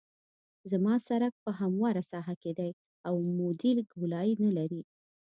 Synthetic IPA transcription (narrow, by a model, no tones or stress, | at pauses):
zamɑsaɾak̚pəɦamwɑɾasɑɦaked̪aj | awmod̪ilɡʊlɑinalaɾi